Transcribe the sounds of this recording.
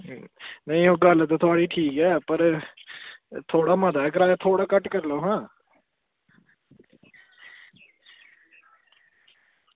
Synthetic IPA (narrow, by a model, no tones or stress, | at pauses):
nəĩːoːɡəlt̪õːt̪ʰʊaːɽiːʈʰiːkɛːpəɾ | t̪ʰoːɽaːməd̪aːɛːkəɾaːat̪ʰoːɽaːkəʈkəɾloːɦãː